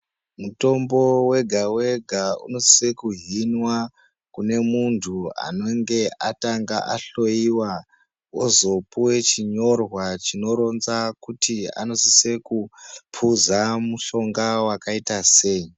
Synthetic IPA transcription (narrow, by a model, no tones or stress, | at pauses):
muto̞mbo̞we̞ɡʱawe̞ɡʱaṵno̞si̥sekuɦinwa | kune̞muntʰua̰no̞ŋɡe̞ʔataŋɡaʔaɬo̞iwa | ozo̞puwe̞t͡ʃiɲo̞rwat͡ʃino̞ɾo̞nzakutia̰nosise̞kupʰuzamuɬo̞ŋɡawakaitase̞i